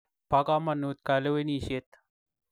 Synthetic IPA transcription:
pakamanut̪̚kaleweniɕet̪̚

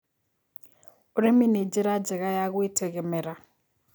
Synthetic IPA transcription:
uɾiminid͡ʒiɾad͡ʒɛɣajaɣuitʰɛɣɛmɛɾa

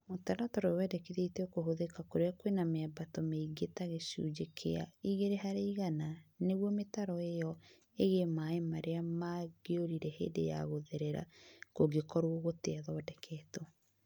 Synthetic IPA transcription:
motaɾatɔɾɔwɛdɛkiðetɛkoɦoðekakoɾeakwenameabatɔmeiɡetaɣesṵd͡ʒekʰḛa̰iɣeɾeɦaɾeiɣananeɣwɔmetaɾɔejɔ | eɣemaemaɾeamaɡeoɾiɾɛhḛːdḛja̰ɣoðeɾeɾa̰koɡekɔɾooɣoteaðɔːdɛkʰɛːtɔ

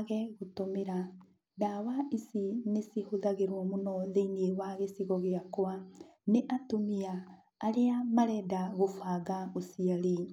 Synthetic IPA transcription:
aɣɛɣotomeɾa | dawaʔisinesihoðaɣeɾwɔmonɔðeinewaɣesiɣɔɣeakwa | neʔatomiaː | ɾeamaɾɛːdaɣofaːɣaosiali

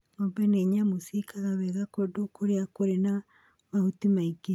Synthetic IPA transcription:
nombɛneɲamosikaɣaβɛɣakodokʰoɾeakoɾena | mahutimaike

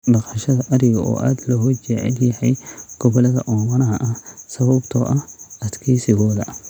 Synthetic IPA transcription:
bɐqɐʃɐðɐʔɐɾɪɣɐʔɔ̰ːʔa̰ːd̪lɐɦɔt͡ʃɛʕɛ̰ljɐħɛjɡ̥ɔβɔlɐðɐ̰ʔɔːmɐnɐɦɐʔɐhsɐβɐbt̪ʰɔ̰ʔɐhɐd̪kʰiːsɪɣɔːðɐ̰

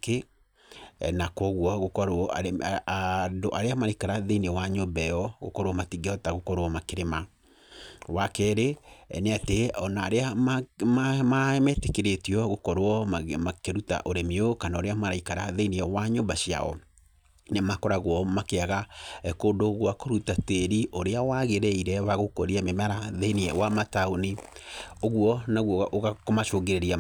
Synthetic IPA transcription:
ke | nakɔɣwɔɣokɔɾɔaandoʔaɾeamaɾaikaɾaðeinewaɲobɛɔɣo̰kɔɾoɔmatiɡeɔtaɣokɔɾwɔmakeɾema | wakɛɾḛneateɔnaːɾeaamamaɛmɛtekeɾetiɔɣokɔɾoɔakeɾuta̰ʔoɾemeokanaoɾeamaɾaikaɾa̰ðeiniɛwaɲombaɕia̰ɔ̰ | nemakɔɾaɣwɔmakeaɣaɛkoːndoːɣwakoɾutateɾiʔoɾeawaɣeɾɛiɾɛwaɣokɔɾiamemaɾaðeiniɛwamataoni | oɣwɔnaɣwɔʔoɣakomaʃoɣeɾeɾia

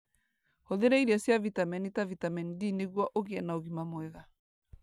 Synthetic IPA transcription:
hɔðɛɾaiɾiasjavitamɛnitavitamɛnidineɣwaʔoɣiɛnaoɣimamwɛɣa

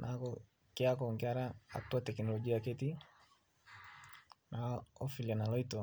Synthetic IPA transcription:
nʔakɔ | keakɔŋɡiaɾaa̰twatɛknɔlɔɡiakɛti | naɔfilianalɔitɔ

